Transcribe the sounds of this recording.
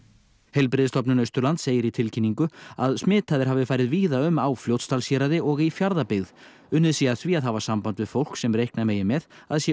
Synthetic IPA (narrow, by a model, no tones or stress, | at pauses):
hejlpɾɪðɪst̪ɔpnɪnœɥst̪ʏɾlant̪seːjɪɾit̪ʰɪlcʰinːiŋkʏaðsmɪːt̪ʰaðɪɾ̥ɦavɪfaːjɾɪðviːðaʏmawfljowt̪st̪alsjɛɾaðɪɔɣifjaɾðapɪɣð | ʏnɪðsiːaθviaðɦavḁsampant̪vɪðfowl̥ksɛmrɾejhknameːjɪmɛðaðsjɛ